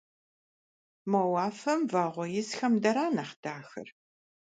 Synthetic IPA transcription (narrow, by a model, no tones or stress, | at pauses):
mɐwɑːfɐmvaːʁʷɔjɪsxɐmdɐɾaːnɐχd̥aːxɨ̰r